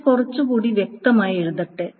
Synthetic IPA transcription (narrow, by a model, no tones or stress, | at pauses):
kurɐt͡ɕːukuːɽiʋjek̚t̪ɐmaːje̞ɻuðɐʈːe